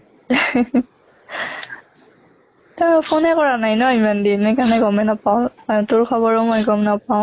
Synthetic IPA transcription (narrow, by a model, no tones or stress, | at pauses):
tapʰonɛkɔɹanajnɔimandinɛjkanɛɡɔmɛnapaʊ̃tʊɹkʰɔβɔɹɔmɔjɡɔmnapaʊ̃